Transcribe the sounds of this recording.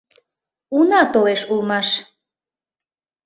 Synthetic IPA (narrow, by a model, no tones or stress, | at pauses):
unɑt̪oleʃulmɑʃ